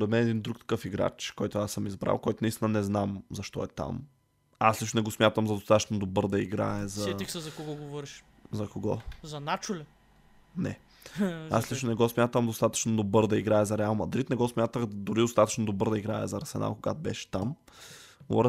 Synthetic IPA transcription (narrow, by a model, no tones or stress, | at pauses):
spoɾɛt̪mɛnɛd̪ind̪ɾuk̚t̪ɐ̥kɤfiɡɾa̰t͡ʃkɔjt̪ʊasəmizbɾa̰lˠkɔjt̪ʊnɐist̪inənɛznamzɐʃt̪ɔɛt̪a̰m | aslit͡ʃʃnonɛɡɔsmʲjat̪əmzɐd̪ost̪at̪ət͡ʃnod̪obɤɾd̪ɐiɡɾa̰ɛzɐixsɛzɐkoɡɔɡovɔɾiʃ | zɐkoɡɔ̰zɐnat͡ʃʊlʲɛ | nɛ | a̰slit͡ʃʃnonɛɡɔsmʲjat̪əmd̪ost̪at̪ə̥t͡ʃnod̪obɤɾd̪ɐiɡɾaɛzɐɾɛalˠmɐd̪ɾit̪nɛɡɔsmʲjat̪əxd̪ʊɾid̪ost̪at̪ə̥t͡ʃnod̪obɤɾd̪ɐiɡɾaɛ̰zɐɾɐsɛna̰koɡa̰t̪bɛʃɛ̥t̪am | ɡvɔ̰ɾ